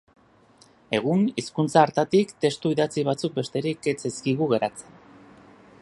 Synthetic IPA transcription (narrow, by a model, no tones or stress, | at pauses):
e̞ɣ̞uniskunt͡saːɾt̪at̪ikt̪e̞st̪uiðat͡siβ̞at͡suk̚be̞st̪e̞ɾike̞t͡seskiɣuɣe̞ɾat͡se̞n